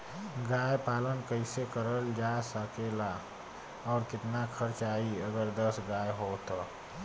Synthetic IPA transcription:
ɡaːjpaːlənkəɪsekəɾəld͡ʒasəkela | ɔːɾkɪt̪nakʰəɾt͡ʃaːiəɡəɾd̪əsɡaːjɦot̪o

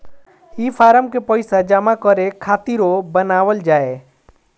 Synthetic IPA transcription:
ipʰaːɾəmkepəɪsad͡ʒamakɔɾekʰat̪iɾobənaːʋəld͡ʒaːe

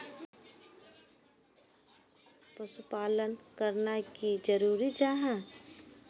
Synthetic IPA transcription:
pəsʊpaːlənkəɾnakid͡ʒəɾuːɾid͡ʒaːɦã

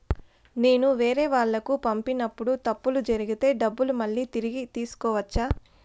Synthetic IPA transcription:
ne̞ːnuʋeːɾe̞ːʋaːɭːɐkupɐmpinːɐpːuɽut̪ɐpːulud͡ʒɐɾiɡit̪e̞ːɖɐbːulumɐɭːiːt̪iɾiɡit̪iːsu̥kɔːʋɐt͡ʃːaː

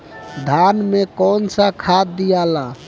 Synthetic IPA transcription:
d̪ʱanmekɔnsə̃kʰad̪ːijala

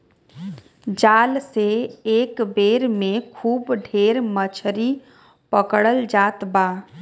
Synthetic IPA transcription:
d͡ʒaːlseeːkbeːɾmẽkʰuːbɖʱeːɾmət͡ʃʰɾi | pəkɽəld͡ʒaːt̪baː

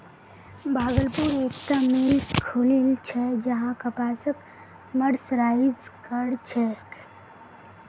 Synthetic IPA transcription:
baːɡəlpuɾeːkt̪amilkʰulilt͡ʃʰɛd͡ʒəɦãkəpaːsək | məɾsɾaːɪd͡ʒkəɽt͡ʃʰɛ

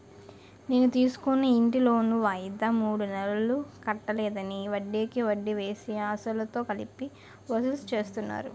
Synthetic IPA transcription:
ne̞ːnut̪iːsu̥kunːɐiɳʈilo̞ːnuʋaːjid̪amuːɽunɛɾɐɐlukɐʈːɐlɛːd̪ɐniʋɐɖːeːkiʋɐɖːiʋe̞ːsiaːsɐlɐt̪o̞ːkɐlipːi | ʋɐsulst͡ʃe̞ːst̪unːa̰ːɾu

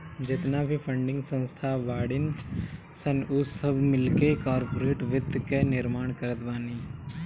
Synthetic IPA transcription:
d͡ʒɪt̪nabʱipʰə̃ɳɖɪ̃ŋɡsə̃nst̪ʰaʋaːɽɪn | sənʊsəbʱmɪlkekaːɾpoːɾeːʈʋɪd̪kenɪɾmaːɳ̃kəɾət̪baːniː

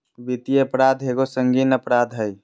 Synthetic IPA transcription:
bit̪ieəpɾad̪ʱɦeɡosəŋɡinəpɾad̪ʱɦəj

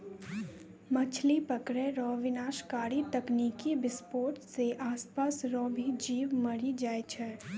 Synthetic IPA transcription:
mɐt͡ʃʰlipəkɾɛ̃ɾɔːʋɪnaːʃkaːɾit̪ɐkniːkibɪspoːɾʈseʔaːspaːsɾɔːbʱid͡ʒiːʋmɐɾid͡ʒaːet͡ʃʰɛ

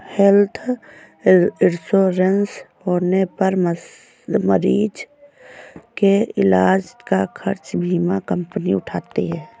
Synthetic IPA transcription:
helt̪ʰ | ɪɾsoːɾənshoːnepəɾmə | məɾiːd͡ʒ | keɪlaːd͡ʒkakʰəɾt͡ʃbʱiːmakəmpniʊʈʰaːt̪eɦɛ̃ː

